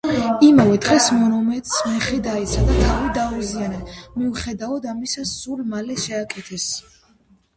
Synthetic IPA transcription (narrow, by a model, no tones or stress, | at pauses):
imavɛd̪ʁɛsmɔnɔmɛt̪ʼsmɛχɛd̪ait̪sʰad̪at̪ʰavid̪auzianɛmiuχɛd̪aɔd̪amisasulmalɛʃɛakʼɛt̪ʰɛs